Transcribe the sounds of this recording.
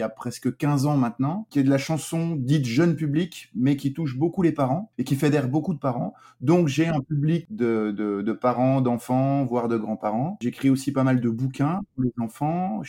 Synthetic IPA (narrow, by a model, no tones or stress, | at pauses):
apχɛskəkʲɛ̃zɑ̃mɛ̃t̪nɑ̃kʲiɛd̪əlaʃɑ̃sɔ̃d̪it̪ʒənpyblikmɛkʲit̪uʃ̬bokulepaʁɑ̃ekʲifed̪ɛʁbokud̪əpaʁɑ̃ | d̪ɔ̃kʒeɑ̃pyblikd̪əd̪əd̪əpaʁɑ̃d̪ɑ̃fɑ̃vwaʁd̪əɡʁɑ̃paʁɑ̃ʒekχiosipamald̪əbukʲɛ̃puʁlezɑ̃fɑ̃